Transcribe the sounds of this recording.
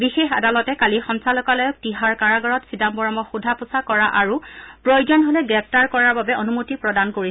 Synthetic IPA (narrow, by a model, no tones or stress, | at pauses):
bixexa̰dalɔtɛkalixɔnsalɔkalɔjɔk̚tiɦaɹkaɹaɡɔɹɔtsidambɔɹɔmɔxudʱapusakɔɹaʔaɹupɹojd͡ʒɔnɦolɛɡɹɛp̚ʰtaɹkɔɹaɹbabɛʔonumutipɹɔdankoɹi